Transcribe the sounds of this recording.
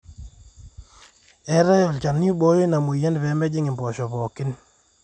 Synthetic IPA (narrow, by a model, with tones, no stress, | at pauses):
ɛ˦ɾɛ˦jɔ˨lt͡ʃa˨ni˦ɓo˦jo˦na˨mo˨jɛ˦ndpɛ˨˦mɛ˦d͡ʒɪ˦ŋɪ˨mpɔ˨ʃɔ˨pɔ˨kɪ˦n